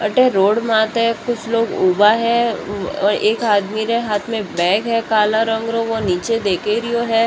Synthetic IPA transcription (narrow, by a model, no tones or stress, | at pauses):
ɐʈeɾoːɽmaːt̪ɦɛ̃kʊt͡ʃʰloːɡuːbaɦɛ̃ɔːɾeːkaːd̪miɾeɦaːt̪ʰmẽbɛ̃ːɡɦɛkaːlaɾə̃ŋɡɾoʋoniːt͡ʃed̪eːkeɾioɦɛː